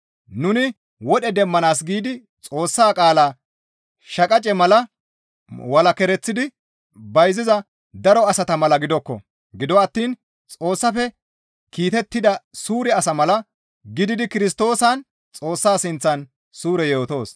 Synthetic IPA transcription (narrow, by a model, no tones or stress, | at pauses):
nʊnɪ | wɔɗɛd̪ɛmːɐnaːs̬ɡiːd̪ɪ | t͡sʼo̞ːsːaːkʼaːlaː | ʃɐkʼɐt͡ʃʼɛmɐlɐ | wɐlɐkɛɾɛt͡sːɪd̪ɪ | bɐjzɪzɐ | d̪ɐɾɔɐsɐt̪ɐmɐlɐɡɪd̪ɔkːɔ̰ | ɡɪd̪ɔɐt̪ːiːn | t͡sʼo̞ːsːɐfɛ | kiːt̪ɛt̪ːɪd̪ɐsuːɾɛɐsɐmɐlɐ | ɡɪd̪ɪd̪ɪkɪɾɪs̬t̪o̞ːsɐn | t͡sʼo̞ːsːaːsɪnt͡sːɐn | suːɾɛjoːt̪o̞ːs